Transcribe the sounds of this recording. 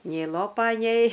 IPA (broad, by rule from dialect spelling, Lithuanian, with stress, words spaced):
nʲɛɪ ˈlˠoːpɐ nʲɛɪ